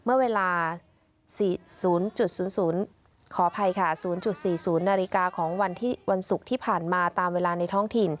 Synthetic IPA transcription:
mɯ˥˩ɐweː˧laː˧ | siː˨˩suː˩˦nt͡ɕu˨˩t̪̚suː˩˦nsuː˩˦n | kʰɔː˩˦pʰa˧jkʰa˥˩suː˩˦nt͡ɕu˨˩t̪̚siː˨˩suː˩˦nːaː˧ɾi˧kaː˧kʰɔː˩˦ŋwa˧nt̪ʰiː˥˩wa˧nsu˨˩k̚t̪ʰiː˥˩pʰaː˨˩nmaː˧t̪aː˧mweː˧laː˧na˧jt̪ʰɔ˥˩ŋt̪ʰi˨˩n

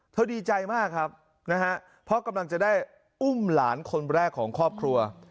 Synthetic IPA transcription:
t̪ʰa˧˩diː˧t͡ɕa˧jmaː˥˩kʰːa˦˥p̚ | na˦˥hʰa˦˥ʔ | pʰɔ˦˥ka˧mla˧ŋt͡ɕa˨˩ʔdaː˥˩j | ʔu˥˩mlaː˩˦nkʰo˧nɾɛː˥˩kʰːɔː˩˦ŋkʰɔː˥˩p̚kʰɾu˧ɐ

